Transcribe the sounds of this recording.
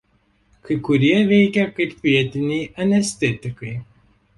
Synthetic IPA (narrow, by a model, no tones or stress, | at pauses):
kɐɪkʊɾʲiɛʋʲɛɪkʲɛkɐɪpʋʲiɛt̪ʲɪnʲɛɪɐnʲɛsʲt̪ʲɛt̪ʲɪkɐɪ